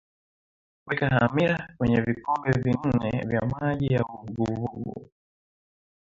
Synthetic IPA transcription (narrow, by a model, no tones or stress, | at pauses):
kwikahamiɾakwɛɲɛvikɔmbɛvin̩nɛ̰vjamaʄijauɡuvuɡṵ